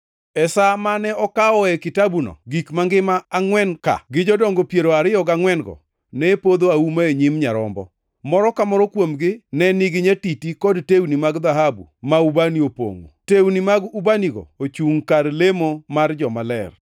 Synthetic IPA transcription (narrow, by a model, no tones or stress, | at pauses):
ɛsamanɛɔkaɔɛkɪtabunɔ̰ɡikmaŋɡɪmaːŋwɛnka̰ɡɪd͡ʒɔdɔŋɡopjeɾoaɾɪjɔɡaŋwɛnɡɔ̰ | nɛpod̪oaumaeɲimɲaɾɔ̰mbɔ̰ | mɔɾɔkamɔɾɔkwomɡɪnɛniɡɪɲatitikɔdtewnimaɡd̪aɦabṵmaubaniopo̰ŋo̰tewnimaɡubaniɡɔ̰ot͡ʃuŋkaɾlemomard͡ʒɔmalɛ̰r